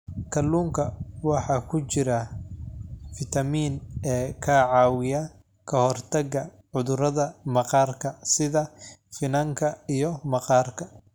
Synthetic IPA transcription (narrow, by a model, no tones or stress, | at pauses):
kʰɐlːuːŋkʰɐwɑħɑːkʰʊt͡ʃɪɾɐ | fɪt̪ʰɐmiːnɛːkʰɐʕɑːwɪjɐ | kʰɐhɔrt̪ʰɐɡɐ | ʕʊðʊɾɐðɐmɐqɑːrkʰɐsɪðɐfɪnɐŋkʰɐijɔmɐqɑːrkʰɐ